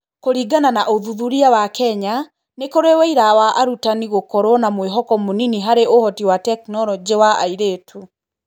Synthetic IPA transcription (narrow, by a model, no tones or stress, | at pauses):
koɾiɡananaʔoðuðuɾiawakɛɲa | nekoɾewɛiɾawaʔaɾutaniɣokɔɾwɔnamweɦɔkɔmoniniɦaɾeʔohɔtiwatɛknɔlɔd͡ʒewaaiɾeːtʰu